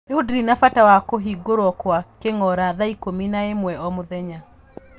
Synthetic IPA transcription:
eudiɾinafatawakoɦiɡoɾwɔkwakeŋɔɾaðaikominaemwɛɔmoðɛɲa

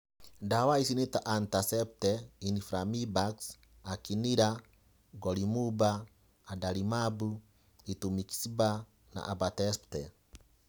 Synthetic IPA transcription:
dawaisinitaʔantasɛp̚tɛinifɾamibaks | akiniɾa | ɡɔlimubaː | dalimabu | itumiki̥siba | na̰ʔabatɛsptɛ

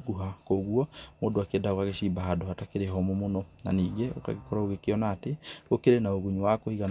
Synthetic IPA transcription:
ɡuɦakoɣuɔmoːndoakeːndaokaɣeɕiːmbaɦadohatakeɾeɦɔmɔmonɔna̰niːɡeo̰ka̰ɣekoɾaoɣekeɔnaːteokeɾenaoɣuɲuwakohiɣan

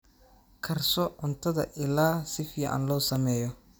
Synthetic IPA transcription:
kʰɐrsɔʕʊnt̪ʰɐðɐ̰ʔɪlaːsɪfɪjɐʔa̰nlɔːwsɐmɛːjɔ

